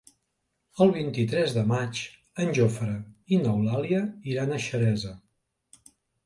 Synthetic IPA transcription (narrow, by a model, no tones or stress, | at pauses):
əlˠβ̞int̪it̪ɾɛzðəmat͡ʃ | ənʲʒofəɾəinəwlaliəiɾanəʃəɾɛzə